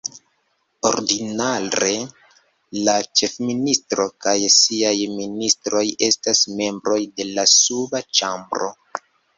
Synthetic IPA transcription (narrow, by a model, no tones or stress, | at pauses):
o̞̰ɾdinaɾe̞ | lat͡ʃe̞fministɾo̞kajsiajministɾo̞je̞stasme̞mbɾo̞jde̞lasubat͡ʃambɾo̞̰